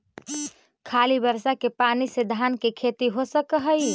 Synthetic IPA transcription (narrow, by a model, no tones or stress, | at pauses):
kʰalibəɾsakepanised̪ʱankekʰet̪iɦosəkəɦəj